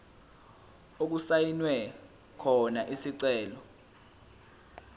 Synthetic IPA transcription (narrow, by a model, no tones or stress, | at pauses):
ok̬usajinwɛ | kʰɔnaʔisiǀɛːlɔ